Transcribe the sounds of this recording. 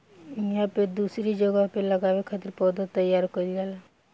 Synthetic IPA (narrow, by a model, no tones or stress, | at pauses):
njaped̪uːsɾid͡ʒoɡapeləɡaːwekʰat̪ɪɾpɔːd̪at̪əjaːɾkəlaːla